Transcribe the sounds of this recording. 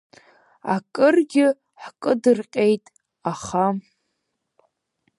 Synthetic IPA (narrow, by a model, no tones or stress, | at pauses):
a̰kʼɨrɡʲɪ | ħkʼɨdɨrqʲʼejtʼ | aχa